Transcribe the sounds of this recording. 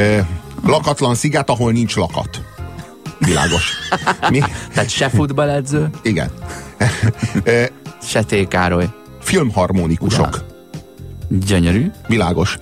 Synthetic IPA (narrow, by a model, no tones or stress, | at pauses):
øːlɒkɒt̪lɒnsiɡɛt̪ɒɦo̞lnint͡ʃlɒkɒ̰t̪ | ʋila̰ːɡo̞ʃmit̪aːt̪ʃɛfud̪bɒlɛd̪zøːiɡɛ̰n | øːʃɛt̪eːkaːɾoj | filmhɒrmonikuʃo̰k | ɟøɲøɾyːʋilaːɡo̞ʃ